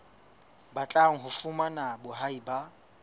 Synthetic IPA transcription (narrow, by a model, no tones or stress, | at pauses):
bat͡ɬʼaŋ̩ɦʊfumanabʊɦaiba